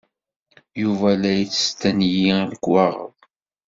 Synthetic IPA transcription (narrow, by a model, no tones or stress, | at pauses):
juvælæjit͡sːə̥st̪ænjiləkwɑʁə̰ðˤ